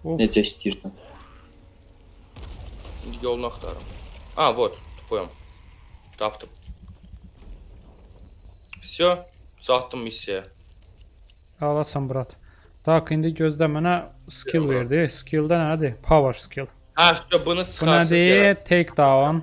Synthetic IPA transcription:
oned͡ʒɛst̪iɾd̪a | ind̪ijolˠnaχt̪ʰɑ̰ɾɯ̰mavot̪t̪ʰu̥pʰujam | t̪ʰɑpt̪ʰɯp | sjo | zɑt̪ːɯmːisːja | alˠɑsɑmbɾɑt̪ | d̪̥ɑkʰind̪iɟøzd̪æmænæskʰilˠveɾd̪iskʲʰilˠd̪ænæd̪ipʰɑvəɾskʲʰilˠ | æst̪obunɯsunæd̪it̪ʰejkd̪ɑːwɑn

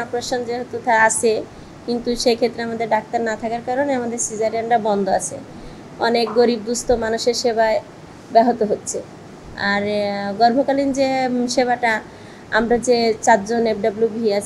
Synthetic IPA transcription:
apɾoʃond͡ʑeɦot̪ut̪aat͡ɕʰe | kint̪uʃejkʰet̪ːɾeamad̪eɾɖak̚t̪aɾnat̪ʰakaɾkaɾoneamad̪eɾsid͡ʑaɾanʈabɔnd̪ʱoat͡ɕʰḛ | ɔnek̚ɡoɾibːust̪omanuʃeɾʃebae | bɛɦot̪oɦotːɕʰe | aɾɡɔɾbʱokalind͡ʑeʃeβaʈa | amɾad͡ʑet͡ɕat̪d͡ʑonepɖablubʱiat͡ɕʰ

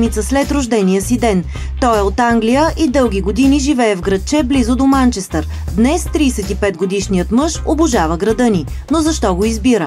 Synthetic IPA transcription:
mit̪səslɛt̪ɾʊʒd̪ɛnijəsid̪ɛn | t̪ɔɛot̪aŋɡlijəʔid̪ɤlˠɡʲiɡod̪iniʒivɛɛvɡɾɐt̪̚t͡ʃɛblizod̪omant͡ʃɛst̪əɾ | d̪nɛst̪ɾiːsɛt̪ipɛd̪̚ɡod̪iʃnijət̪mɤʃobʊʒavəɡɾɐd̪ɤni | nozɐʃt̪ɔɡoizbiɾə

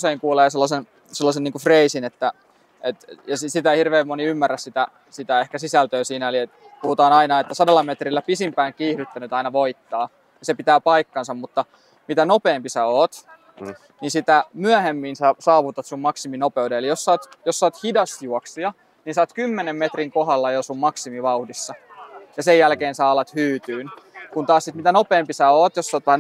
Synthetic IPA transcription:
seiŋkuːleːselːɑsen | selːɑseniːŋkufreisinet̪ːæ | et̪jɑsisit̪æhirʋeːmmoniymːæræssit̪æ | sit̪æehkæsisælt̪øːsiːnæoliet̪ | puhut̪ɑːnɑinɑet̪ːæsɑdɑlːɑmet̪rilːæpisimpæiŋkiːhɾyt̪ːænyt̪ɑinɑʋoit̪ːɑː | jɑsepit̪æːpɑikːɑnsɑmmut̪ːɑ | mit̪ænopeːmpisæoːt̪ | ninsit̪æmyæhemːinsæsɑːʋut̪ɑt̪summɑksiminopeudeelijossoːt̪josːoːt̪hidɑst̪juɔksiɑ | niːnsɑːt̪kymːenemmet̪riŋkoɦɑlːɑjosummɑksimiʋɑuhdisːɑjɑsejjælkeːnsɑːɑlːɑt̪hyːt̪yːnkunt̪ɑːssit̪mit̪ænopeːmpisæoːt̪josːoːt̪ʋæhæ

